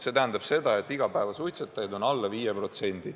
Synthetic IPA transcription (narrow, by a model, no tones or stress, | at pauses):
se̞t̪æɦænd̪ɑb̥se̞d̪ɑe̞t̪ːˑiɡ̥ɑpæevɑsujt̪set̪ːˑɑjd̪o̞nɑlːɑviːjepro̞t̪se̞nʲd̪̥i